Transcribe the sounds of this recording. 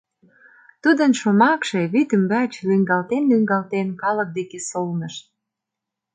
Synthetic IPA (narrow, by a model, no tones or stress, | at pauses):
t̪ud̪ənʃomɑkʃeβyt̪əmbæt͡ɕlyŋɡɑlt̪enlyŋɡɑlt̪enkɑlək̚d̪ekesolnəʃ